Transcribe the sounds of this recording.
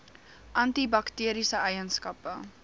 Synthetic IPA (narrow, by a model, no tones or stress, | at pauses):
ʔɐntibɐktiəɾisəʔɛjənskɐpə